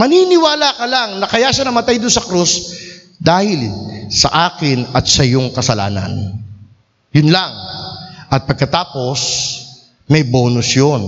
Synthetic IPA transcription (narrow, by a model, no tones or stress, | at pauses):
mɐninɪwaːlakɐlaŋnɐkɐjaʃanɐmɐt̪ajd̪ʊnsɐkɾus | d̪aːhɪlsɐ̰ʔaːkɪnɐt̪̚sɐjoŋkɐsɐla̰ːnɐ̰n | jʊnlaŋʔɐt̪̚pɐɡ̚kɐt̪aːpo̞s | mɐjboːnʊsjon